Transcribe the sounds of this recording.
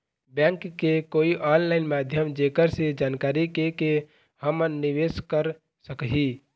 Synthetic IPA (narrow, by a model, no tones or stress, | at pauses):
bjɛ̃ŋkːekoːiʔɔːllaɪnmaːd̪ʱjəmd͡ʒekəɾsed͡ʒaːnkaːɾikeke | həmənːiʋeskəɾ | səkɦi